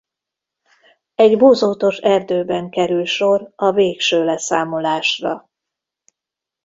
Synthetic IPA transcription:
ɛɟboːzoːt̪o̞ʃɛrd̪øːbɛŋkɛɾylʃo̞rɒveːkʃøːlɛsaːmo̞laːʃrɒ̰

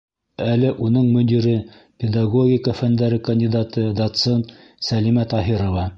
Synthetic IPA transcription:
ælɘʔunɤɴmɵ̆d̪iɾɘ | pʲɪd̪ɑɡoɡʲikəfænd̪æɾɘkɐnʲd̪ʲid̪ɑt̪ɤd̪ɐt̪sent̪ | sælimæt̪ɑɦiɾŏvɑ

